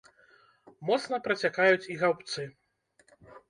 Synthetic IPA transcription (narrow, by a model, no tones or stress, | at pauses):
mɔt̪snɐpɾɐt͡sʲakajut͡sʲiɣawpt̪sɨ